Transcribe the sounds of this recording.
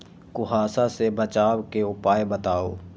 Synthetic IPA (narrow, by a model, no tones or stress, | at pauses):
kʊɦaːsasebət͡ʃaːwkeʊpaːjebət̪aːo̰ː